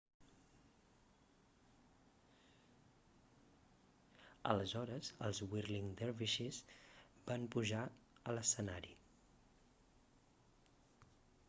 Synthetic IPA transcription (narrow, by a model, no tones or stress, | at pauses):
ə̰ləzɔɾəzəlˠzwirliŋd̪ɛɾβiʃizbampuʒaələsənaɾi